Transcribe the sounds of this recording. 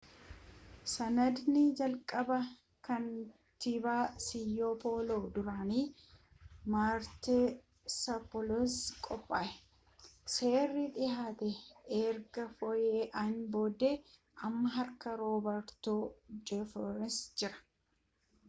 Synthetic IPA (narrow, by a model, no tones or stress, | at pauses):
sɐnɐd̪nɪd͡ʒɐlkʼɐbɐ | kɐn | t̪ɪbaːsɪjːoːpʰoːloːd̪ʊɾaːniː | maːɾt̪e | sɐpɔloskʼɔpʼːaːʔɛ | se̞ːrːɪᶑɪhaːt̪ɛeːɾɡɐfɔjeːʔɐnboːd̪eː | ʔɐmːɐɦɐɾkɐɾoːbɐɾt̪od͡ʒɛfɔɾɛnsd͡ʒɪɾɐ̥